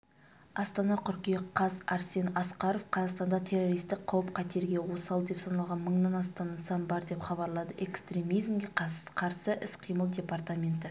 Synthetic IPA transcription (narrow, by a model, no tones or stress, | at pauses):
ɑst̪ɑnɑqʰʏɾkʲijeqʰɑzɑɾse̞nɑsqɑɾo̞fqʰɑzɑʁst̪ɑnd̪ɑt̪ʲʰe̞ro̞ɾijst̪ɪk̚qʰːɑwəp̚qʰɑt̪e̞ɾɡʲe̞wo̞sɑlˠd̪e̞psɑnɑlˠʁɑnməɴnɑnɑst̪ɑnɑsɑnbɑɾd̪e̞pχɑβɑɾlˠɑd̪əʔe̞kst̪ɾʲe̞mijzmɡʲe̞qʰɑqʰɑɾsəʔɪsqʰijməlˠd̪ʲe̞part̪amʲe̞nt̪ɪ